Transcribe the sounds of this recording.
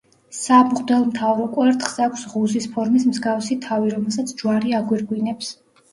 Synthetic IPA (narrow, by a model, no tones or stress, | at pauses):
sabqʼd̪ɛlˠmt̪ʰavɾɔkʼwɛɾt̪χz̥akʷʰsʁuzispʰɔɾmismzɡafsit̪ʰaviɾɔmɛlˠsat̪sʰd͡ʒwaɾiaɡwiɾɡwinɛps